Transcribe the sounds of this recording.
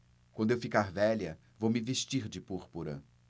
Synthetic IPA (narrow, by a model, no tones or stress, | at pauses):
wɐ̃nd̪ʊewfikaɾvɛʎɐ | vowmɪveʃt͡ʃiɾd͡ʒɪpuɾpuɾɐ̰